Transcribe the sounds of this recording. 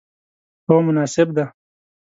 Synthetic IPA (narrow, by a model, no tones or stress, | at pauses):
t̪oːmʊnaːsɪb̚d̪a